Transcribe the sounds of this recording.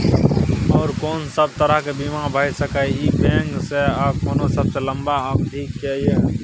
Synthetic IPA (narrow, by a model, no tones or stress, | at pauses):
ɔːɾkoːnsəb̚t̪əɾəɦkebimabʱəːjsəkaiipẽːŋɡseab̚koːnosəbselə̃mbaəkd̪ʱiːkːeje